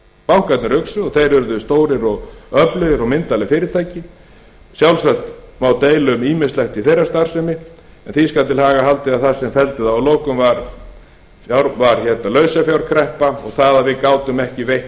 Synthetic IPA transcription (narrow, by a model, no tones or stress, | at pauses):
pawŋ̥kajt̪nʏɾʏksʏɔɣθejɾʏɾðʏst̪oːwɾɪɾɔɣœplʏðɪɾɔɣmɪnt̪alɪfɪːɾɪt̪ʰaːjcɪ | sjawlsaxt̪mawt̪eːjlʏmiːmɪslɛxt̪iθejrːast̪aɾ̥sɛmɪ | ɛnθiskaw̪t̪ʰɪlhaːɣahalt̪ɪaðθḁsɛmfɛlt̪ɪðawloːwkʏmvaɾ | aɾvaɾ̥çɛt̪nalœɥsafjawɾ̥kʰɾɛhpaɔ̰ɣθaðaðvɪðkaːwt̪ʏmɛhcɪveh